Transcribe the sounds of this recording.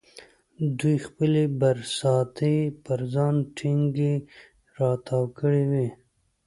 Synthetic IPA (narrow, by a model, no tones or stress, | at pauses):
d̪ujxpəlebaɾsɑt̪epəɾzɑːnʈʰɪŋɡe | ɾɑt̪ʰɑwkəɽiwi